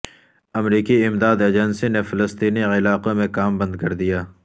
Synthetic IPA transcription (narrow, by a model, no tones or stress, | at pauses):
ɐmɾiːkiɪmd̪aːd̪ed͡ʒənsinefɪləst̪iːniɪlaːqomẽkaːmbɐ̃nd̪̚kɐɾd̪ijaː